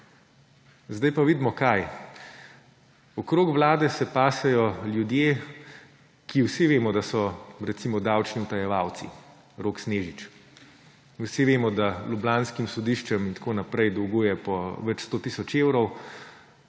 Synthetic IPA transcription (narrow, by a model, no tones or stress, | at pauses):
zd̪ajpaʋiːd̪mɔkaj | ɔkɾoːkʋlaːd̪ɛsɛpaːsɛjɔljud̪je | kʰiwsiʋeːmɔd̪asɔɾɛt̪simɔd̪awt͡ʃniut̪ajɛʋawt̪sḭ | ɾoːksneːʒit͡ʃ | wsiʋeːmɔd̪alublanskimsɔd̪iʃt͡ʃɛmint̪koːnapɾɛjd̪ɔwɡuːjɛpɔʋɛt͡ʃst̪oːt̪iːsɔt͡ʃeːwɾɔw